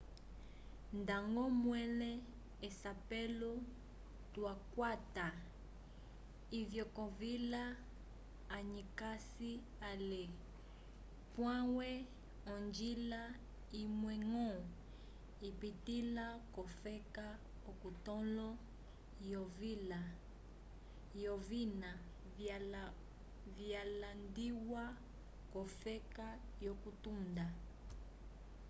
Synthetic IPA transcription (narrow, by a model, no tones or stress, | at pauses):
ndaŋɡɔmwɛlɛ | esapɛlo | twakwata | ivjɔkɔvilaː | ɲikasi | ale | pwãwɛ | ɔnd͡ʒila | imwɛŋɔ | ipitilakɔfɛka | ɔkutɔlɔ | jɔvla | jɔvina | vjalandiwa | kɔfɛka | jɔkutunda